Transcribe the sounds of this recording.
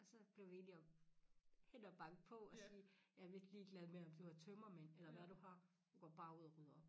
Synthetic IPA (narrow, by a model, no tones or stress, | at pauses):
ɒ̽sɒ̽b̥liɐʋeniɒ | henɒb̥ɑ̈ŋ̰d̥̚pʰɒ̽ɒ̽siːjæʋe̝d̥liːɡ̥lɛð̞ˠmeɐɒ̽md̥uhɑ̈t͡sʰømɐmenelɐʋæɾ̥uhɑ̈ | d̥uɡ̥ɒb̥ɑ̈ːuð̞̰ˠɒʁyð̞̰ˠɐɒ̽b̥